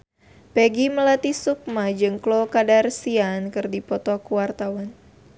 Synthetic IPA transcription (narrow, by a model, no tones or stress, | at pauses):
pɛɡiməlat̪isuk̚mad͡ʒɨŋklɔkadarsiankɨrdipɔt̪ɔkuwart̪awan